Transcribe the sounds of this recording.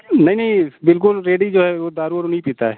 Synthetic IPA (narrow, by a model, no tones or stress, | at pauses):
nɐĩnəĩbɪlk̬ʊlɾeːɖid͡ʒoːɦɛod̪aːɾuəɾʊnĩpiːt̪aɦɛː